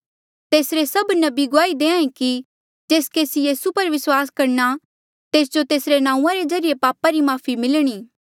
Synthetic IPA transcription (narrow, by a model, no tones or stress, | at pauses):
t̪eːsɾesɐbnɐbiɡʊaːid̪ẽːãːẽki | d͡ʒeːskeːsijiːsupɐɾʋɪswaːskɐɾna | t̪eːs̬d͡ʒot̪eːsɾenãːũːãɾezɐɾijepaːpaɾimaːfʰimɪlɽ̃iː